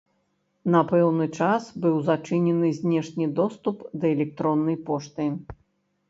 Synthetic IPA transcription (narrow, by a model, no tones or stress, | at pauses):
nɐpɛwnɨt͡ʂasbɨwzat͡ʂɨnʲɛnɨzʲnʲɛʂnʲid̪ɔst̪upd̪ɐɛlʲɛk̚t̪ɾɔnːɐjpɔʂt̪ɨ